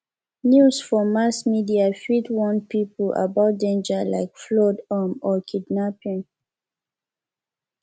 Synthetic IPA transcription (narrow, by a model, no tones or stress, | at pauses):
njusfɔmasmidiafidwɔ̃npipʔa̰baʊt̚dẽnd͡ʒəla̰ɪkflɔdamɔkʰidnapĩŋ